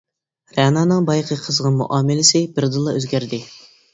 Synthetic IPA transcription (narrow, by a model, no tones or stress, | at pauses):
ɾɛnɑːnɨŋbɑjqʰəqʰəzʁɑnmṵʔɑːmɪlɪsɪbɪɾd̪ɨlˠːɑøzɡʲæɾd̪ɪ